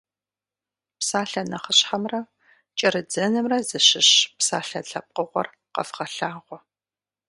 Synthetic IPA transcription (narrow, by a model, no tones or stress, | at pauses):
psaːɬɐnɐχəɕħɐmrɐ | t͡ʃʼɐɾɨd͡zɐnɨmrɐzɨɕɪɕpsa̰ːɬɐɬɐp̚qəʁʷɔ̰r | qɐ̰fχɐɬaːʁʷɔ